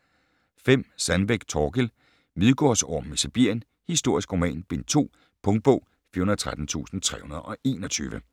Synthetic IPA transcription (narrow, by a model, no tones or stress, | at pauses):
fem̰sænb̥eɡ̥t͡sʰɒːɡ̥el | miðˠɡ̥ɒːsɒ̰mesib̥iɐ̰jən | hisd̥o̝ɐ̰isɡ̥ʁo̝mɛ̰ːnb̥e̝nt͡sʰo̝̰ː | pʰɔ̽ŋd̥̚b̥ɔ̽ʊ̰ | fiɐunɐðˠt͡sʰʁad̥n̩t͡sʰṵːsn̩t͡sʰʁɛ̰ːhunɐðˠʔɒ̽e̝ːnɒt͡sʰy̰ːʋə